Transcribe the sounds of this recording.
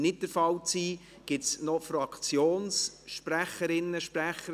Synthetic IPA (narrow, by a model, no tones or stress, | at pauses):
nɪt̚d̥əɾfɑlt͡siː | ɡ̥ɪtsnɔfɾɑkt͡sjoːns | ʃpræχəɾɪnːəʃpɾæχə